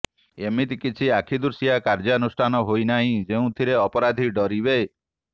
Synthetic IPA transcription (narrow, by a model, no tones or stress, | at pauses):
emit̪kit͡ʃʰiakʰid̪uɾsijakaɾd͡ʒaɔnusʈʰanɔɦojnaɦĩd͡ʒeũt̪ʰiɾeɔpɔɾad̪ʱiɖɔɾibej